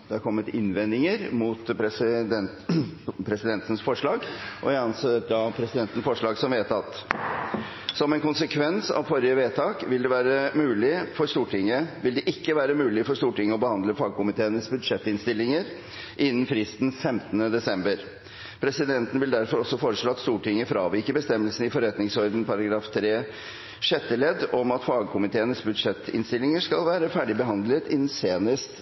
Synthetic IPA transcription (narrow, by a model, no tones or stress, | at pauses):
d̪ɛɑɾkʰɔmːət̪ɪ̰nʋɛnd̪ɪŋəɾmuːt̪pɛɪd̪ɛ | pʰɾɛsɪd̪ɛnt̪ənsfɔʂɭɑːɡʔɔ̰ɪɑnsɛd̪ɑpʰɾɛsɪd̪ɛnt̪ən̩sfɔʂɭɑːɡsɔmʋeːt̪ɑt̪ | sɔmɛnkʊnsəkʰʋɛnsɑ̰ʋfɔɾɪəʋeːt̪ʰɑːkʋɪld̪ɛʋæːɾəmʉːlɪfɔɾʂt̪uːʈʰɪŋːəʋɪld̪ɛʔɪkːəʋæːɾəmʉːlɪfɔɾʂt̪uːʈɪŋːəɔbəhɑnd̪ləfɑːɡ̚kʊmɪt̪ʰeːənəsbʉd̪ʂɛt̪ːɪnst̪ɪlːɪŋəɾ | ʔɪnːn̩fɾɪst̪n̩fɛmt̪ənəd̪ɛsɛmbəɾ | pʰɾɛsɪd̪ɛnt̪ən̩ʋɪld̪æɾfɔɾɔsːɔfoːɾəʂɭoːɑt̪st̪uːʈɪŋːəfɾɑːʋikəbəst̪ɛmːəlsən̩ɪfɔɾɛt̪nɪŋsɔɾd̪n̩pʰɑɾɑɡɾɑːft̪ʰɾeː | ʂɛt̪ːəlɛd̪ːɔmɑt̪fɑːɡkʰʊmɪt̪ʰeːənəsbʉd̪ʂɛt̪ːɪ̰nst̪ɪlːɪŋəʂkɑlʋæːɾəfæːɖɪbəɦɑnd̪lət̪ɪnn̩seːnəst̪